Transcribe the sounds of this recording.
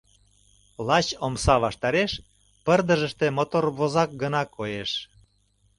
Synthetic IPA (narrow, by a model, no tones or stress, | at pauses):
lɑt͡ɕomsɑβɑʃt̪ɑɾeʃ | pərd̪əʒəʃt̪emot̪orβozɑk̚ɡənɑkʰːojeʃ